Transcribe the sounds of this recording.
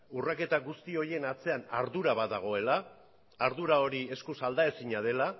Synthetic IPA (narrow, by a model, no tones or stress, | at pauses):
urake̞t̪aɣust̪io̞ɾje̞nat͡se̞anaɾðuɾaβaðaɣ̞o̞e̞laː | ɾðuɾao̞ɾie̞skusald̪ae̞siɲað̞e̞la